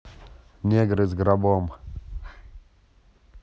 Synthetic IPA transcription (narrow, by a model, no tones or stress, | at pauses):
nʲeɡɾɨzɡɾabom